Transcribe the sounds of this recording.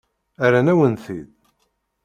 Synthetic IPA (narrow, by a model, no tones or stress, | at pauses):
æɾænæwənθið